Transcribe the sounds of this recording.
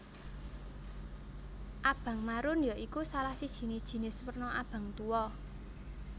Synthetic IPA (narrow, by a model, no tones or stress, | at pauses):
ʔab̥a̤ŋmaɾʊnjɔʔikusalahsid̥ʒ̥i̤nid̥ʒ̥i̤nɪswərnɔʔab̥ä̤ŋt̪uwɔ